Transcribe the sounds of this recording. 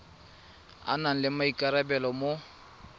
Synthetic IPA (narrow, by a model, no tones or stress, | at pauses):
a̰naŋ̩lɪmaikʼaɾabɛlɔmo